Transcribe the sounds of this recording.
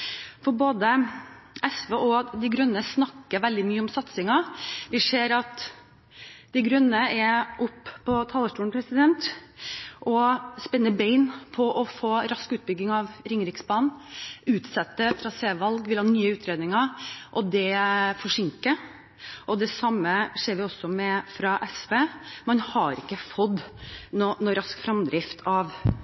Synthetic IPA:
fɔɾboːd̪ə | ɛsʋeːʔɔd̪ɪɡɾœnːəsnɑkːəɾʋɛld̪ɪmyːəɔmsɑt̪sɪŋɑʋɪseːɾɑt̪ | d̪ɛɪɡɾœnːəɛɾʔʊpːpʰɔt̪ʰɑːlːəʂʈuːnpʰɾɛsɪd̪ɛnt̪ | ʔɔspɛnːəbeɪnpʰɔʔɔfoːɾɑskʉːt̪̚bʏɡːɪŋɑʋɾɪŋɾɪksbɑːnʉːt̪sɛt̪ːətɾɑseːʋɑlɡʋɪlhɑːnyːəʉːt̪ʰɾeːd̪nɪŋɑɾʔɔd̪ɛfɔʂɪŋkə | ʔɔd̪ɛsɑmːəʂeːɾʋɪɔsɔmɛfɾɑʔɛspeːmɑnhɑɾɪkːəfɔd̪nɔnɔɾɑskfɾɑmd̪ɾɪft̪ʰɑʋ

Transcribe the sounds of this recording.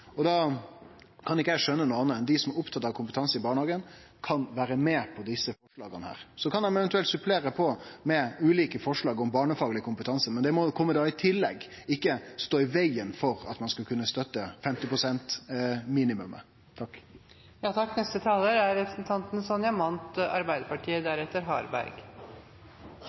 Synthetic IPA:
ɔd̪ɑ | kʰɑnɪkːəɛʂœnːənuːɑnəɛnd̪ɪsɔmæɾʊpt̪ʰɑt̪ːɑʋkʰʊmpət̪ʰɑnsəɪbɑːɳhɑːɡən | kʰɑnʋæːɾəmeːpʰɔd̪ɪsːəfɔʂɭɑ̰ːɡənəhæ̰ːɾsɔkʰɑnɛmɛʋɛnt̪̬ʉɛlt̪sʉpʰleːɾəpʰɔmɛʉːliːkəfɔʂɭɑːɡɔmbɑːɳəfɑːɡlɪəkʰʊmpət̪ʰɑnsəmɛnd̪ɛmɔkʰɔmːəd̪ɑːɪt̪ʰɪlːɛɡ | ɪkːəst̪oːɪʋæɪənfɔɾɑ̰t̪mɑnskɑlkʰʉnːəst̪œt̪ːəfɛmt̪ɪpʰɾʊsɛnt̪miːnɪmʉ̰mə̰ | t̪ʰɑkː | jɑːt̪ʰɑkːnɛst̪ət̪ʰɑːləɾæɾɾɛpɾəsn̩t̪ʰɑnt̪n̩sɔnjɑmɑnt̪ɑ̰ɾbæɪd̪əɾpɑʈʰiːəd̪æɾɛt̪ːəɾɦɑ̰ːɾbæ̰ɾɡ

